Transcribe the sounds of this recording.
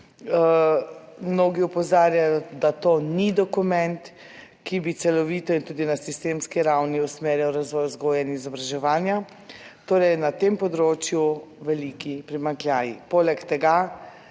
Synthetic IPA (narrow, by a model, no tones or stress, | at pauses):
mnoːɡiɔpɔzaːɾjajɔd̪at̪oːnid̪ɔkumɛnt̪ | kibit̪sɛlɔʋiːt̪ɔint̪uːd̪inasist̪emskiɾawniusmeːɾjawɾazʋɔjɔzɡoːjɛinizɔbɾaʒɛʋaːnja | t̪oːɾɛjnat̪eːmpɔd̪ɾoːt͡ʃjuʋɛlikipɾimaŋklʲjaːjipoːlɛkt̪ɛɡa